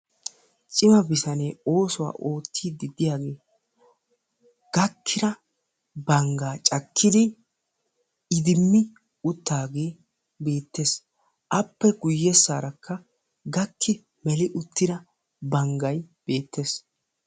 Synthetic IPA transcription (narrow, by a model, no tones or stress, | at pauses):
t͡ʃʼɪmɐbɪsɐneːo̞ːsɔwa̰ːʔo̞ːt̪ʰːiːd̪ːɪd̪ɪjaːɡe̞ː | ɡ̥ɐkʰːɪɾɐ | bɐŋɡaːt͡ʃʼɐkʰːɪd̪ɪ | ɪd̪ɪmːɪ | ʊt̪ːaːɡe̞ː | be̞ːt̪ːe̞ːs | ʔɐpːɛɡʊjːɛsːa̰ːɾɐkʰːɐ | ɡɐkʰːɪ | mɛlɪʔʊt̪ːɪɾɐ | bɐŋɡɐjb̥e̞ːt̪ʰːeːs